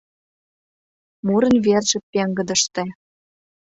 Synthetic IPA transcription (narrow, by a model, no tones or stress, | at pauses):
muɾə̆nverʒĕpːeŋɡə̆d̪ə̆ʃt̪e